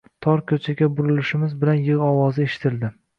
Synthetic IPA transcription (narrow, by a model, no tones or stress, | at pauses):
t̪ʰɒɾkʲʰɵt͡ʃʰaɡʲabʊɾɪlɪʃɪmɪzbɪlanjɨʁɒwɒzɪeʃɪ̥t̪ʰɪld̪ɪ